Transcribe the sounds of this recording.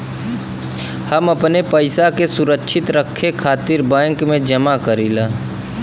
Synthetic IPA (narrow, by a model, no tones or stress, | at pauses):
həməpnepəɪsakesʊɾəkʃʰɪt̪ɾəkʰːekʰaːt̪iɾbãːŋkmẽd͡ʒɐmakəɾilaː